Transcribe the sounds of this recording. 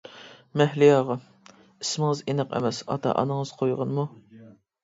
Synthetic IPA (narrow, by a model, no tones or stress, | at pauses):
mɛhlɪjɑːʁɑ | ismɪŋɨzenɨqḛmɛsɑ̰t̪ʰɑ̰ʔɑ̰nɨŋəz̥qʰojʁɑnmu